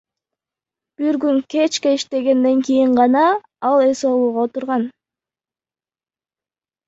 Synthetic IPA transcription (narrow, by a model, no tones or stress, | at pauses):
b̥iɾɡyŋke̞t͡ʃkeiʃt̪e̞ɡe̞nd̪e̞ŋkijiɴʁɑnɑ | ɑlˠe̞so̞lˠuːʁɑot̪uɾʁɑn